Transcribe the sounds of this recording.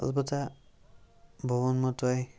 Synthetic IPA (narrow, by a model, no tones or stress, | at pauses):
ɔ̰lbɔta | bʱɔβɔnmɔtɔj